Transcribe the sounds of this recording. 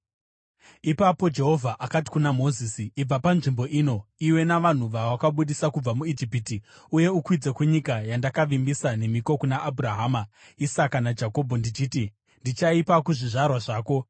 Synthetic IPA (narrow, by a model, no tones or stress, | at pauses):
ipapo̞d͡ʒe̞ɦo̞vʱaʔakati̥kunamo̞zisiib͡vapanʐimbo̞ʔino̞iwe̞naʋan̤uʋawakaɓuɗisakub͡vamuid͡ʒipiti | uje̞ukwid͡ze̞kuɲikajandakaʋimbisane̞miko̞kunaʔːbʱuraɦaːma | isakanad͡ʒako̞bʱondit͡ʃiːti | ndit͡ʃaipakuʐiʐarwaʐaːko̞